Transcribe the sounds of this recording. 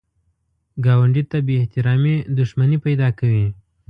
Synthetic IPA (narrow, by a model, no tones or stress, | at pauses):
ɡɑwaɳɖit̪abeɪht̪ɪɾɑmed̪ʊʃmanipajd̪ɑkawi